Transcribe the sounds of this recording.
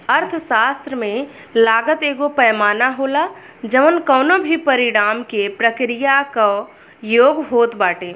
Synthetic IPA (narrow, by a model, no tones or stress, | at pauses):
əɾt̪ʰʃaːst̪ɾəmẽ | laːɡət̪eːɡopɛjmaːnaɦoːla | d͡ʒəʋənkəːnobʱipəɾɪɽ̃aːmkepɾəkɾijako | joːɡɦoːt̪baːʈeː